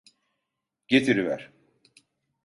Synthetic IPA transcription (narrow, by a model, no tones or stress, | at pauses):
ɟ̥et̪ʰiɾivæ̰ɾ̥